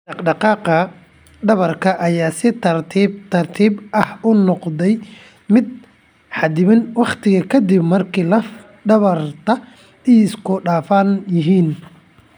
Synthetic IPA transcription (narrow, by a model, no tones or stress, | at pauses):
ɖɑqɖɑqɑːqɐ | ɖɐβɐrkʰɐʔɐjaːsɪt̪ʰɐrt̪ʰiːbt̪ʰɐrt̪ʰiːbʔɐhʊnːɔqd̪ɛj | mɪd̪̚ | ħɑd̪ɪβɪnwɑqt̪ʰɪɣɐkʰɐd̪ɪbmɐrkʰiːlɐf | ɖɐβɐrt̪ʰɐ | iːɪskʰʊɖaːfanjɪɦiːn